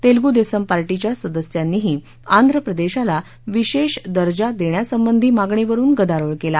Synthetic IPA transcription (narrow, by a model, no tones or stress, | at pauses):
t̪elɡud̪esəmpaɾʈit͡ɕjasəd̪əsjanːiːɦiː | and̪ʱɾəpɾəd̪eɕala | ʋiɕeɕd̪əɾd͡ʑad̪eɳjasəmbənd̪ʱiːmaɡɳeʋəɾuːnɡəd̪aɾəɭkela